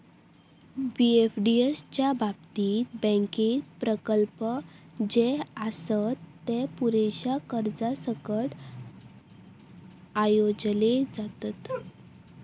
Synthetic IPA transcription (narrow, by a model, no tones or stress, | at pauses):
biefɖiest͡ɕjabʱab̚t̪iːt̪̚bə̃ŋkit̪pɾəkəlpə | d͡ʑeasət̪ːepuɾeɕakəɾd͡zasəkəʈ | ajod͡zled͡zat̪at̪